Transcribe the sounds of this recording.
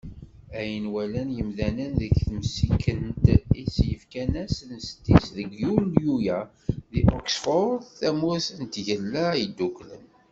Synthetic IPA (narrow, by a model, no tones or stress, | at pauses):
æjənwælænjəmðænənðəçθmsikʰːənt̪isjəfkænæsnst̪ːisðəɡjuljujæ | ðiʔɔksfɔɾθæmusənt̪ʝəlːæid̪ːuklə̰n